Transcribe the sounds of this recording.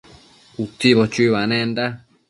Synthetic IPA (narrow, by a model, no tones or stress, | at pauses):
kut̪iβot͡ʃiβanẽnd̪a